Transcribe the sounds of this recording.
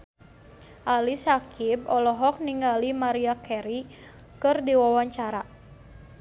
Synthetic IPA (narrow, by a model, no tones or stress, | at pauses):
ʔalisakibɔlɔɦɔk̚niŋɡalimaɾiakɛɾikɨrdiwawaɲt͡ʃaɾa